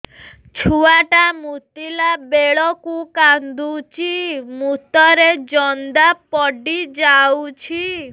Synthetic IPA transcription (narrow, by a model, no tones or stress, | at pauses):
t͡ʃʰuaʈamut̪ilabeɭɔkukand̪ut͡ʃimut̪ɔɾed͡ʒɔnd̪apɔɖid͡ʒawt͡ʃʰi